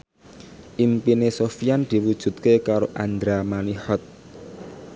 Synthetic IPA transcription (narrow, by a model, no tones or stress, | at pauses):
ʔimpinesofijand̪̥i̤wud̥ʒ̥ṳt̪̚kekaɾoʔand̪ɾamaniħɔt̪̚